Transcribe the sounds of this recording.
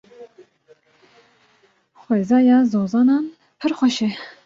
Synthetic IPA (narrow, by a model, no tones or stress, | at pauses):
xʷweːzɑːjɑːzoːzɑːnɑːn | pʰɨɾxʷɛʃɛ